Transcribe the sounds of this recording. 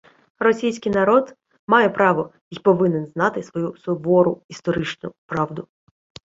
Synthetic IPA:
rɔsʲijsʲkɪjnɐɾɔd̪ | mɑjɛpɾɑʋɔ | ipɔʋɪnenznɑt̪ɪsʋɔjusɔbɔɾʊist̪ɔɾɪt͡ʃnʊpɾɑʋd̪ʊ

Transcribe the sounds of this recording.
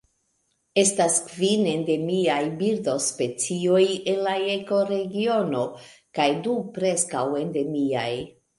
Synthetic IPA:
e̞staskvine̞nde̞miajbiɾdo̞spe̞t͡sio̞jenlaeko̞ɾe̞ɡio̞no̞kajdupɾe̞skawe̞nde̞mia̰j

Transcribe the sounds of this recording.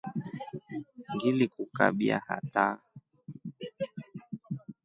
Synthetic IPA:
ŋɡilikuka̰ɓia̰hata

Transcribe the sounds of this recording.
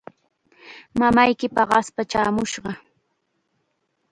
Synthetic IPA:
mamajkɪpɑɢɑspat͡ʃaːmʊʃɢɑ

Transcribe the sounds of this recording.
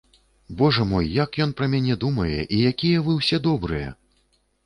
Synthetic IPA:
bɔʐɐmɔjːakjɔnpɾɐmʲanʲɛd̪umɐjɛ̰ʔijakʲijɛvɨwsʲɛd̪ɔbɾɨjɛ̰

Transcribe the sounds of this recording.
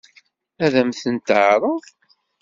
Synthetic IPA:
æðæmθənt̪əʕɾˤə

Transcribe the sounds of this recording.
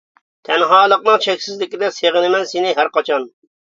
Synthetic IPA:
t̪ʰɛnɦɑːlˠəqnɨŋʃɛkʲsɪzlɪkʲid̪ɛseʁɨnɪmɛnsɪnɪɦæɾqɑt͡ʃʰɑn

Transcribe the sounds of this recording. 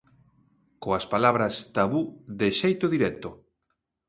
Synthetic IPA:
koaspalaβɾɐst̪aβuðeʃejt̪oðiɾɛt̪o

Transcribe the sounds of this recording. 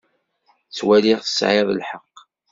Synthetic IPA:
t͡sːwælɪʁθə̥sʕɪðˤlħəqː

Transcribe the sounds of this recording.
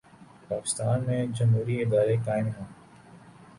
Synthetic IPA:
paːkɪ̥st̪aːnmẽd͡ʒɐmɦuːɾiɪd̪aːɾekaːɪ̃mɦãː

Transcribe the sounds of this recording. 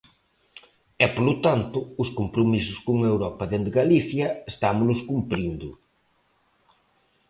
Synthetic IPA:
ɛpolʊt̪ant̪ʊːskompɾomisʊskoŋewɾɔpɐðend̪ɪɣaliθjɐest̪amʊlʊskumpɾind̪ʊ̰

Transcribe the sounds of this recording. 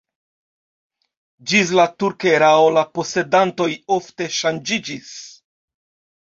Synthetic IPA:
d͡ʒis̬latuɾkeɾaolapo̞se̞danto̞jo̞fte̞ʃand͡ʒid͡ʒis

